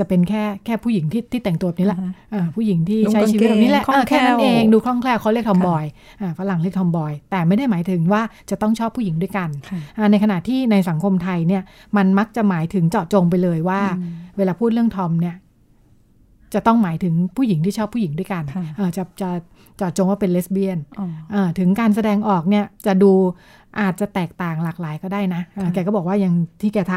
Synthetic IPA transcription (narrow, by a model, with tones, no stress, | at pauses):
t͡ɕa˨˩pe˧nkʰɛː˥˩kʰɛː˥˩pʰuː˥˩ji˨˩˦ŋt̪ʰiː˥˩t̪ʰiː˥˩t̪ɛ˨˩ŋt̪u˧˨˩niː˦˥lɛ˨˩ʔɤː˧pʰuː˥˩ji˩˦ŋt̪ʰiː˥˩˧t͡ɕa˦jt͡ɕi˧˦˥t̪̚ːni˦˥lɛ˧˩˥ʔəː˧kʰɛː˥˩˥na˧nʔeː˧ŋduː˧kʰlɔ˥˩ŋkʰlɛː˥˩wʰa˧˥˩li˥˩ək̚t̪ʰɔ˧mbɔː˧j | ʔaː˧˩fa˦la˨˩ŋli˥˩k̚t̪ʰɔ˧mbɔː˧jt̪ɛː˨˩ma˥˩jda˥˩jmaː˩˦jt̪ʰɯ˨˩˦ŋwaː˥˩t͡ɕa˨˩t̪ɔ˥˩ŋt͡ɕʰɔː˥˩pʰːu˥˩ji˩˦du˥˩əjka˧nʰʔa˧˩na˧jkʰa˧na˨˩ʔt̪ʰiː˥˩na˧jsa˨˩˦ŋkʰo˧mt̪ʰa˧jni˥˩ɐma˧nma˦˥k̚t͡ɕa˨˩maː˩˦jt̪ʰɯ˨˩˦ŋt͡ɕɔː˨˩t̪̚t͡ɕo˧ŋp̬a˧jlɤː˧jwaː˥˩weː˧laː˧pʰuː˥˩t̪̚ɾɯ˥˩əŋt̪ʰɔ˧mni˥˩ɐ | t͡ɕa˨˩t̪ɔ˥˩ŋmaː˨˩˦jt̪ʰɯ˨˩˦ŋpʰuː˥˩ji˨˩˦ŋt̪iː˥˩t͡ɕʰɔː˥˩pʰːuː˥˩ji˩˦ŋdu˥˩əjka˧nʔɤː˨˩t͡ɕa˨˩t͡ɕa˨˩ | t͡ɕɔː˨˩t̪̚t͡ɕo˧ŋwaː˥˩pe˧nle˦˥s̚bi˧˩ənʔaː˧˩t̪ʰɯ˩˦ŋkaː˧ns̬a˧dɛː˧ŋʔɔː˨˩k̚ni˥˩ɐt͡ɕa˨˩duː˧ | ʔaː˨˩t̪̚t͡ɕa˨˩t̪ɛː˨˩k̚t̪aː˨˩ŋlaː˨˩k̚laː˩˦jkɔː˥˩daː˥˩jna˦˥ʔaː˧˩kɛ˧kɔː˥˩bɔː˨˩kwaː˥˩ja˧ŋt̪ʰiː˥˩kɛː˧t̪ʰa˧